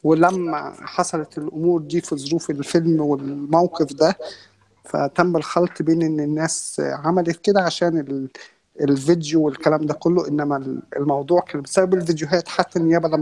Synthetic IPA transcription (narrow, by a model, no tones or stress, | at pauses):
welæmːæ̰ħɑsˤɑlɑt̪elʔomuːɾd̪iːfizˤːoɾuːfelfelmwelmæwqefd̪æ | fæ̰t̪æmbelxɑlt̪ˤbeːnʔenːenːæːsʕamælet̪ked̪æʕaʃæːnel | elved̪jowelkælæːmd̪ækolːoʔenːæmælelmɑwd̪ˤuːʕkæːnæbesæbæbelvid̪joɦæːt̪ħat̪ːænejæːbælæm